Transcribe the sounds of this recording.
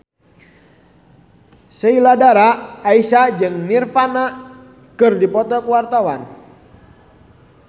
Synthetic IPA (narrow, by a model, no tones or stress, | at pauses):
səiladaɾaːisad͡ʒɨŋnirfana | kɨrdipɔt̪ɔkəwart̪awan